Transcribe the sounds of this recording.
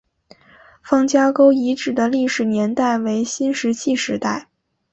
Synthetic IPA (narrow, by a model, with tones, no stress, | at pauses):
fɑ˥˩ŋt͡ɕja˥ko˥ʊi˧˥ʈ͡ʂɻ̩˨˩d̪ə˦li˥˩ʂɻ̩˨˩njɛ˧˥nt̪a˥˩ɪwe˧˥ɪɕi˥nʂɻ̩˧˥t͡ɕʰi˥˧ʂɻ̩˧˥t̪a˥˩ɪ